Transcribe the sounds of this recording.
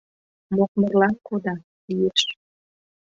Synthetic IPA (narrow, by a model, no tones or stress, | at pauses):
mok̚mərlɑnkod̪ɑ | lijeʃ